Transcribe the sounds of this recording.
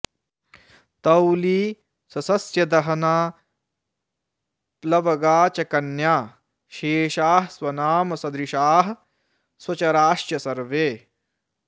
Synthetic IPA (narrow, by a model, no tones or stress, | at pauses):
t̪ɐwliː | sɐsɐsjɐd̪ɐɦɐnaː | plɐʋɐɡaːt͡ʃɐkɐnjaː | ʃeːʃaːɦɐswɐnaːmɐsɐd̪ɾiʃaːɦɐ | swɐt͡ʃɐɾaːʃjɐsɐɾʋeː